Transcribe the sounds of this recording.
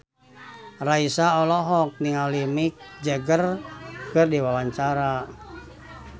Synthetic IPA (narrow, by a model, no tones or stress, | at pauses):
raisaɔlɔɦɔk̚niŋalimik̚d͡ʒəɡərkɨrdiwawaɲt͡ʃaɾa